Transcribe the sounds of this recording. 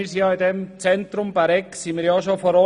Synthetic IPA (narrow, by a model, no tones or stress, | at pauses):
isjɑːɪdɛmt͡sɛnt̪ɾʊmb̥aɾɛksimiːɾjɑːʃofɔɾɔ